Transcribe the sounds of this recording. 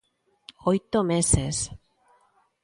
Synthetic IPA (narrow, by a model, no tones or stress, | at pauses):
ojt̪omeses